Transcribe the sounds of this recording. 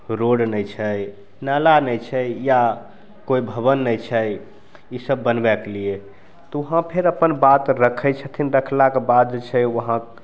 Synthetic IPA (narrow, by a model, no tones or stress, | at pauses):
ɾoɖnəjt͡ʃʰə | nalanəjt͡ʃʰɛja | koibʱəbənːəjt͡ʃʰəj | isəbːənbɛklie | t̪ɔəɦãpʰeɾəpənbat̪ɾəkʰəjt͡ʃʰət̪ʰinɾəkʰlakebad̪̚d͡ʒet͡ʃʰɛʋəɦã